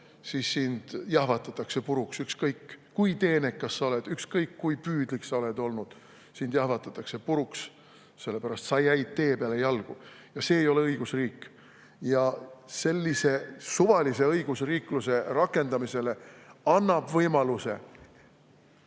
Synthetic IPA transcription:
siːsːind̪̥jɑhvɑt̪ːˑɑt̪ːˑɑkse̞puɾuksykskɤjkː | ujt̪e̞ːne̞kkːɑsːɑo̞le̞d̪̥ykskɤjkːujpyːd̪̥liksɑo̞le̞d̪o̞lnud̪̥ | sind̪jɑhvɑt̪ːˑɑt̪ːˑɑkse̞puɾuks | se̞lːe̞pæɾɑst̪sɑjːæjd̪̥̚t̪ːe̞ːpeɑle̞jɑlɡ̥u | jɑse̞ːjo̞leɤiɡ̥usriːkː | jɑse̞lʲːise̞suvɑlise̞ɤjɡ̥usriːkluse̞rɑkːˑe̞nd̪ɑmise̞le̞ɑnːɑb̥vɤjmɑluse̞̰

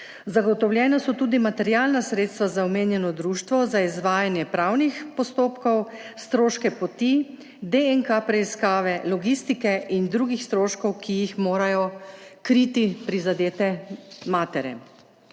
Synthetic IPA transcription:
zaɡɔt̪ɔwljɛːnasɔt̪uːd̪imat̪ɛɾjaːlnasɾeːt̪st̪ʋazaɔmeːnjɛnɔd̪ɾuːʃt̪ʋɔzaizʋaːjanjɛpɾawnixpɔst̪oːpkɔw | st̪ɾoːʃkɛpɔt̪i | d̪eɛŋkapɾɛiskaːʋɛlɔɡist̪ikɛʔind̪ɾuːɡixst̪ɾoːʃkɔwkʰijixmoːɾajɔkɾit̪ipɾizad̪eːt̪ɛmaːt̪ɛɾjɛ̰

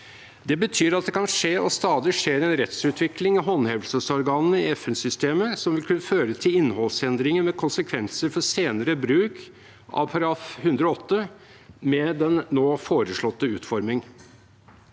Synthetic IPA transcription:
d̪ɛbət̪ʰyːɾɑt̪̚d̪ɛkʰɑnʂeːʔɔst̪ɑːd̪ɪʂeːɾɛnɾɛt̪sʉːt̪ʰʋɪklɪŋɪɦɔnhɛʋlsəsɔɾɡɑːnn̩əɪɛfɛnsʏst̪eːməsɔmʋɪlkʰʉnːəføːɾət̪ʰɪlɪnːhɔlsɛnd̪ɾɪŋənmɛkʰʊnsəkʰʋɛnsəɾfɔseːnəɾəbɾʉːk | ʔɑ̰ʋpʰɑɾɑɑfhʉnd̪ɾɔɔt̪ːə | mɛd̪ɛnːoːfoːɾəʂɭɔt̪ːəʉːt̪fɔɾmɪŋ

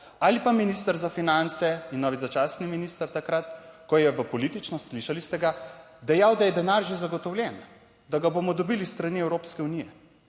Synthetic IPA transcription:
alipaminist̪əɾzafinant̪sɛinːɔːʋizat͡ʃasniminist̪əɾt̪akɾat̪kɔjɛʋəpɔlit̪it͡ʃnɔsliʃalist̪ɛɡa | d̪ɛjawd̪ajɛd̪ɛnaɾʒezaɡɔt̪ɔwlʲjɛn | d̪aɡaboːmɔd̪ɔbilist̪ɾaniɛwɾoːpskɛunijɛ

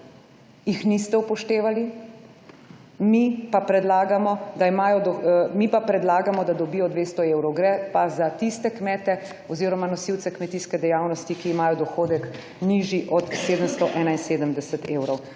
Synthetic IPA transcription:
jixnist̪ɛupɔʃt̪eːʋali | mipapɾɛd̪laːɡamɔd̪aimaːjɔd̪ɔmipapɾɛd̪laːɡamɔd̪ad̪ɔbijɔd̪ʋeːst̪ɔewɾɔwɡɾɛpazat̪ist̪ɛkmɛːt̪ɛ | ɔziːɾɔmanɔsiw̪sɛkmɛt̪iːskɛd̪ɛjawnɔst̪ikiːmaːjɔd̪ɔxoːd̪ɛk | niʒiʔɔt̪seːd̪əmst̪ɔʔɛːnainseːd̪əmd̪ɛsɛt̪eːwɾɔw

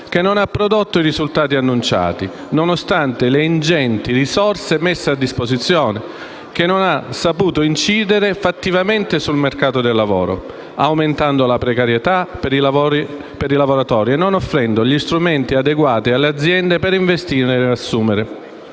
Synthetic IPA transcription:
k̟enːonapːɾod̪ot̪ːoiɾizult̪aːt̪ianːunt͡ʃa̰ːt̪i | nonost̪ant̪eleind͡ʒɛnt̪irisɔrsemesːead̪ːispozit̪sːjɔːne | k̟enːonasːapuːt̪oint͡ʃiːd̪eɾefat̪ːivament̪esulmerkaːt̪od̪elːavɔ̰ːɾo̰ | awment̪and̪olapɾekaɾjet̪apɾilavɔɾi | peɾilavoɾat̪ɔːɾiɛnːonofːɾɛnd̪oʎist̪ɾumɛnt̪iad̪eɡwaːt̪ialːead̪zːjɛnd̪epeɾiɱvest̪iːneasːuːmeɾe

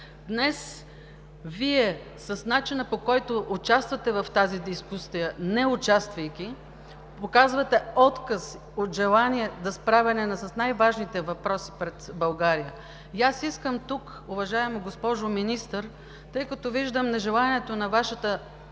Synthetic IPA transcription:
d̪nɛs | viɛ | sɐsnat͡ʃinəpokɔjt̪oʔʊt͡ʃast̪vɐt̪ɛvɐft̪azid̪iskusijənɛʊt͡ʃast̪vɐjkʲi | pokazvɐt̪ɛɔt̪kəs | ot̪ʒɛlˠaniɛd̪ɐspɾavʲɛnɛnɐsɐsnajvaʒnit̪ɛvɐpɾɔsi̥pɾɛt̪bɐlˠɡaɾijə | jasiskəmt̪uk | ʊvɐʒaɛmoɡospɔʒʊminist̪əɾ | t̪ɤjkɐt̪oviʒd̪əmnɛʒɛlˠaniɛt̪onɐvaʃət̪ə

